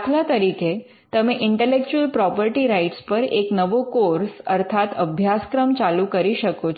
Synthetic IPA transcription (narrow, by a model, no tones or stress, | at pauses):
t̪ʰljat̪əɾikʰe | t̪əmeʔiɳʈelek̚t͡ɕuəlpɾɔpəɾʈiːɾaiʈspəɾeknəʋokoɾsəɾt̪ʰat̪əbʱjaskɾəmt͡ɕalukəɾiɕəkot͡ɕ